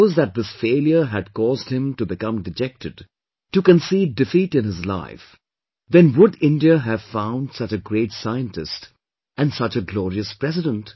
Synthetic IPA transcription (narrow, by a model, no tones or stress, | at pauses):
zðæt̪̚ðɪsfeɪlˠjə˞ɦɨd̚kɔːzd̚hɪ̃mtubɨkʌ̃mdɨd͡ʒɛk̚tɨd | tɨkɨ̃nsiːv̚dɨfiɾɨ̃nɪzla̰ɪf | ðɛ̃nwʊdɪ̃ndiəɦɨv̥fãʊ̃nd̥sʌt͡ʃɨɡɹeɪtsaɪɨ̃ntɨ̰st | ʔɨ̃nsʌt͡ʃɨɡlɔːɹiɨspɹ̥ɛsɨdə̃nt